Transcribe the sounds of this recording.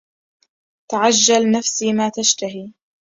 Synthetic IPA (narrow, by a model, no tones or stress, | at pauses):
t̪aʕad͡ʒːalnafsiːmaːt̪aʃt̪aɦiː